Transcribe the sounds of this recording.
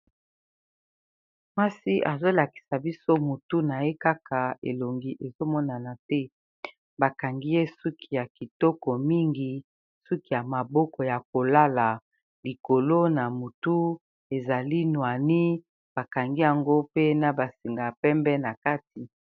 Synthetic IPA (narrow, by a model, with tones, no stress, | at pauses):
mwa˦si˦ʔa˨zo˦la˨ki̥˨sa˨bi˦so˦mu˨tu˦na˨je˦ka˦kʰa˨ḛ˨lo˨ŋɡi˦ʔe˨zo˦mɔ˦na˨na˨tɛ˦ | ba˨ka˨ŋɡi˦je˦su˦kʰi˨ja˨ki˨tɔ˦kɔ˨mi˦ŋɡi˨ | su˦ki˨ja˨ma˨bɔ˦kɔ˨ja˨ko˨la˦la˨ | li˨ko˨lo˦na˨mu˨tu˦ | e˨za˨li˦nwa˨ni˦ | b̥a˨ka˨ŋɡi˦ja˨ŋɡo˦pe˦na˨ba˨si˨ŋɡa˨pɛ˦mbɛ˦na˨ka˦ti˨